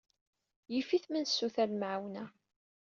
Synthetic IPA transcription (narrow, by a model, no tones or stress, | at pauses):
jifiθmənsːuθælmʕawnæ